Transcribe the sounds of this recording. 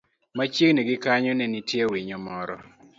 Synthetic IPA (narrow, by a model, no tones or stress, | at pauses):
mat͡ʃjeŋniɡɪkaɲɔnɛnitjewiɲɔmɔɾɔ